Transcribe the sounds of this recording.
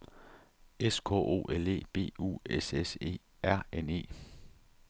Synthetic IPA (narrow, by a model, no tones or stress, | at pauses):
eskʰɔ̰ʔo̝̰ːʔele̝̰ːb̥e̝̰ːṵesese̝̰ː | æɐ̰ene̝̰ː